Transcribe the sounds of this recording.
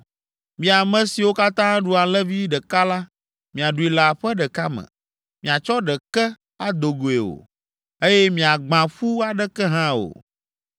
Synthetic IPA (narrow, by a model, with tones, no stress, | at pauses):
mĩ˨a˨mɛ̃˦si˨wo˦ka˦t̪ã˦ɖu˨a˨lɛ˦vi˦ɖɛ˨ka˦la˦ | mĩ˨a˨ɖu˨i˨la˨ɸɛ˦ɖɛ˨ka˦mɛ̰̃˨ | mĩ˨a˨t͡ʃɔ˦ɖɛ˨kɛ˦ | a˦d̪o˨ɡo˨e˨o̰˨ | e˦jɛ˦mĩ˨a˨ɡ͡bã˨ɸu˦a˨ɖɛ˦kɛ˦ɦã˦o̰˨